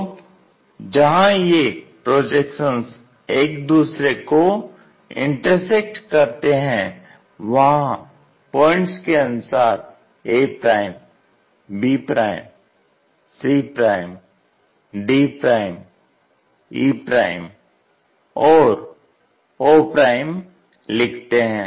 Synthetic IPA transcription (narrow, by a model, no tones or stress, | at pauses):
d͡ʒɐɦãjepɾoːd͡ʒekʃə̃ns | eːkd̪uːsɾeko | ɪ̰̃ɳʈəɾsek̚ʈkɐɾt̪eɦɛ̃ | ʋɐɦã | pɔ̃ːɪ̃ɳʈskeɐnʊsaːɾ | eːpɾaːɪm | biːpɾaːɪm | siːpɾaːɪm | ɖiːpɾaːɪm | iːpɾaːɪm | ɔːɾ | oːpɾaːɪm | lɪkʰt̪eɦɛ̃ː